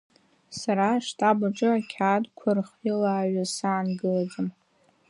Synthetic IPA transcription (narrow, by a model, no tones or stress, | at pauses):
saɾaʂtʰʼabaʈ͡ʂʼɨakʲʰaːdkʷʰarχilaːɥasɨʕanɡɨlad͡zɨm